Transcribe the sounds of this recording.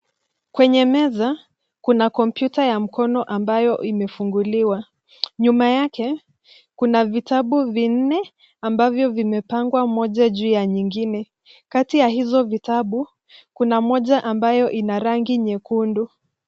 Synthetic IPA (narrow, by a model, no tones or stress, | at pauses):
kwɛɲɛmɛza | kunakɔmpjutajam̩kɔnɔʔambajɔʔimɛfuŋɡuliwa | ɲumajakɛ | kunavitaɓuvin̩nɛ | ambavjɔvimɛpaŋɡwamɔʄaʄuːjaɲiŋɡinɛ | katijahizɔvitaɓu | kunamɔʄaʔambajɔʔinaɾaŋɡiɲɛkundu